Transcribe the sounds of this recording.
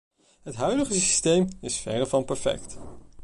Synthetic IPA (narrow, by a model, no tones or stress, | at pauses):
ɦətɦœɥdəχəssi̥stejmɪsfɛ̰rəvɑnpɛɹfɛ̰kt